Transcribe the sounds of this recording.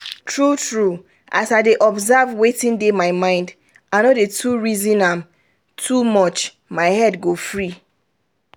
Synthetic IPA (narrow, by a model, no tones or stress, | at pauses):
tʰɹutɹu | ʔasaɪdeʔɔbzavwetĩndemaɪmãɪ̃nd | ãnɔdetʰuɹizĩnãm | tʰumɔt͡ʃ | maɪhɛdɡofɹi